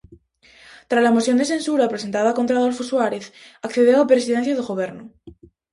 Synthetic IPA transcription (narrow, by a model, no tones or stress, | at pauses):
t̪ɾazlamosjo̞nd̪e̞sẽ̞nsuɾapɾes̬ent̪aðako̞nt̪ɾaðolfoswaɾeθakθeðeapɾesiðen̟θjaðeɣoβ̞eɾnu